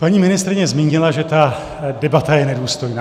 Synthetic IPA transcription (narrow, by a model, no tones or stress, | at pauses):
paɲiːmɪnɪst̪ɾɪɲɛzmiːɲɪlaʒɛt̪a | dɛbat̪ajɛnɛduːst̪o̞jnaː